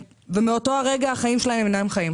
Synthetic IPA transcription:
vemeo̞to̞aʁeɡaaχaimʃe̞lahemenaemχajim

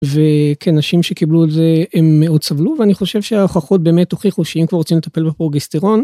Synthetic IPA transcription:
vekʰenaʃimʃe̞kibluetzeemːeo̞dsavluveaniχo̞ʃevʃeaχaχot̚be̞ːmetoχiχuʃeimkvaʁːot͡simlet̪apelbepʁoɡest̪eʁo̞n

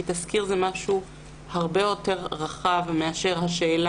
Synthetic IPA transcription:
it̪askiʁzemaʃu | haʁbejo̞teʁʁaχavmeaʃe̞ʁɦaʃeːla

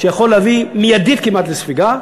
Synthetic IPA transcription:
ʃejaχo̞lːavimijad̪it̪̚kimat̪lesfiɡa

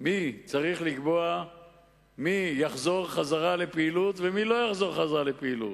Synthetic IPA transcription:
mit͡saʁiχlikbo̞a | mijaχzo̞ʁχazaʁale̞peilut̪vemilo̞jaχzo̞ʁχazaʁalepeilṵt̪

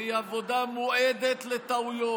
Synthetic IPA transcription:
iavod̪amoʔed̪et̪let̪aujo

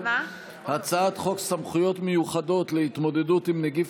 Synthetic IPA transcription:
hat͡saat̪χo̞ksamχujo̞tme̞juχado̞t̪lehit̪mo̞d̪e̞dutimneɡif

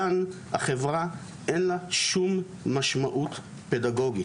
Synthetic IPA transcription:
anha̰χevʁa | ʔenlaʃumː | aʃmaʔut | pedaɡo̞ɡi

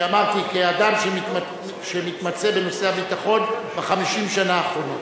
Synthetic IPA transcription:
amaʁt̪ikead̪amʃei | ʃemit̪mat͡se̞be̞no̞se̞abit̪aχo̞nbeχamiʃimʃanaːχʁo̞not

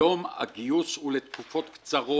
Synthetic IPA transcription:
o̞ma̰ɡiusulet̪kufo̞t̪kt͡saʁo

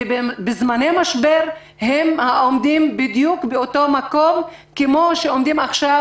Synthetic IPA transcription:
bbezmanejmaʃbeʁ | ɦemhaʔomd̪imbid̪jukbeoto̞mako̞m | kemoʃeomd̪imaχʃa

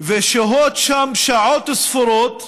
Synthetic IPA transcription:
veʃaɦot̪ʃamʃaʕoːt̪ɪsfʊɾot̪

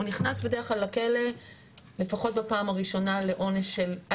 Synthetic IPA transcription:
uniχnasbe̞deʁχlalːake̞le̞ | le̞faχo̞t̚bapaːmaʁiʃo̞nale̞ʔo̞neʃːel

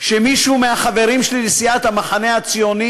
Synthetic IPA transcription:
ʃemiʃumeaχave̞ʁimʃelilisijat̪hamaχane̞at͡sijoni

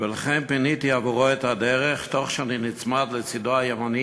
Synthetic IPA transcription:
velaχɛnpinit̪iavuʁoɛt̪ad̪ɛʁeχt̪oχʃaninit͡smad̪let͡sidoajemani

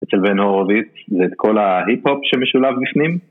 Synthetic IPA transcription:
ʔet͡selbenhoʁovitzeːt̪kʰo̞laɦiphopʃemeʃulavbifnim

